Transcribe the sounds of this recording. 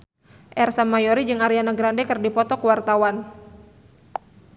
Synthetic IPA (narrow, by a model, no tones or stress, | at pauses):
ʔɛrsamːajɔɾid͡ʒɨŋaɾianaɡɾandɛkɨrdipɔt̪ɔkwart̪awan